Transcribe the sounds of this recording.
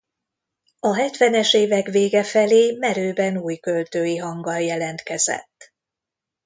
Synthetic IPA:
ɒɦɛt̪ʋɛnɛʃeːvɛkʋeːɡɛfɛleːmɛɾøːbɛnuːjkølt̪øːjiɦɒŋɡɒljɛlɛnt̪kɛzɛ̰t̪ː

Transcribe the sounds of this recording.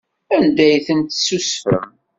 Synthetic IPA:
ænd̪æjθənt̪susfə̰m

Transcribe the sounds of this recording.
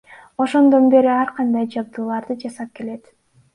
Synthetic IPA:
o̞ʃo̞nd̪o̞nbe̞ɾiɑɾqɑnd̪ɑjd͡ʒɑb̚d̪uːlˠɑɾd̪ɯd͡ʒɑsɑp̚ke̞le̞t̪

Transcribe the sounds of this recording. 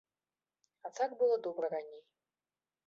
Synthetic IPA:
at̪akbɨlˠɔd̪ɔbɾɐɾanʲej

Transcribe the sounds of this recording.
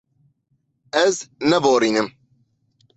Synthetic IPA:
ɛznɛboːɾiːnɨm

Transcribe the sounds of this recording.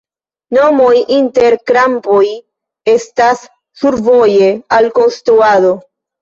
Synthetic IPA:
no̞mo̞jʔinte̞ɾkɾampoj | e̞stasː | uɾvo̞je̞alko̞nstɾuado̞

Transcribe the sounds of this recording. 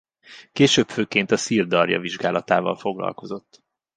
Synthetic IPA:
keːʃøːpføːkeːnt̪ɒsiːrd̪ɒrjɒ̰viʒɡaːlɒt̪aːvɒ̰lfo̞ɡlɒ̰lko̞zo̞t̪ː

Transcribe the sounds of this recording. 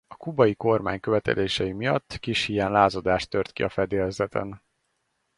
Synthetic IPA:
ɒkubɒjiko̞rma̰ːɲkøvɛt̪ɛ̰lʔeːʃɛjimijɒt̪ːkiʃhijɛnlaːzod̪aːʃt̪ːørt̪kiɒfɛd̪eːlzɛt̪ʰɛ̰n

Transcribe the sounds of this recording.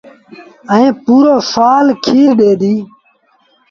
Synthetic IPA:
əẽːpuːɾoːsaːlkʰiːɾɗeːd̪iː

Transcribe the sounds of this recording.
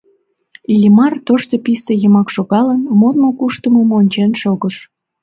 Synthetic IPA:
ilʲimɑrt̪oʃt̪opisejəmɑkʃoɣɑlənmot̪mokuʃt̪əməmonʲt͡ɕenʃoɣəʃ

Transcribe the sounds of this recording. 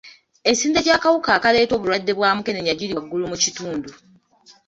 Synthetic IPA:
esiːndeɟaːkawukaːkale̞ːto̞ːβuladːe̞βwaːmuke̞neɲaɟiliɡːulumucituːndu

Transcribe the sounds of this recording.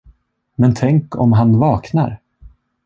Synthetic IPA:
mɛnt̪ʰɛŋkɔ̰mɦanvɑːkna̰ɾ

